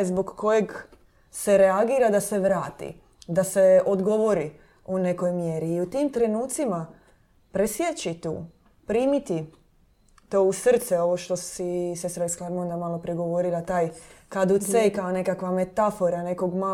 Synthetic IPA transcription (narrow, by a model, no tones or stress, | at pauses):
zboɡko̞je̞ɡ | se̞ɾeaɡiːɾad̪ase̞ʋɾaːt̪ḭ | d̪ase̞od̪ɡo̞ʋo̞ɾi | une̞kojmjeɾiːut̪iːmt̪ɾe̞nuːt̪sima | pɾesjet͡ɕit̪ṵː | pɾiːmit̪i | t̪o̞ːusr̩t̪seo̞ʋo̞ʃt̪o̞sisest̪ɾaiskaɾmond̪amalopɾiɡo̞ʋoɾilˠat̪aːjkad̪usejkane̞kakʋame̞t̪afo̞ɾane̞ko̞ɡma